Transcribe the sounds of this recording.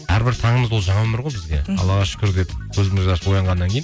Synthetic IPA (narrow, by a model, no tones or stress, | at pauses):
æ̰ɾbɪɾt̪ʰɑɴəməzwo̞lˠʒɑɴɑwɵmɪɾʁojbɪzɡ̪ʲḛɑ̰lˠɑʁɑʃʏ̥kʲʏɾd̪ʲet̪kʲʰɵzɪmɪɾd̪ɑɾswojɑɴʁɑnːɑŋkʰʲe̞jn